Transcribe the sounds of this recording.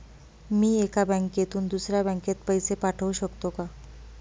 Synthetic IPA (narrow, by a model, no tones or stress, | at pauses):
miːekabə̃ŋkjet̪uːnd̪usɾjabɛ̃ŋket̪̚pəjsepaʈʰəʋwɕəkt̪oka